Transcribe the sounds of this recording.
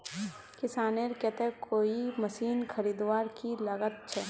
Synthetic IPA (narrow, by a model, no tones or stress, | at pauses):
kɪsaːneɾkɛt̪ekoːimɐsiːnkʰɐɾiːd̪ʋaːɾkilaɡət̪̚t͡ʃʰɛː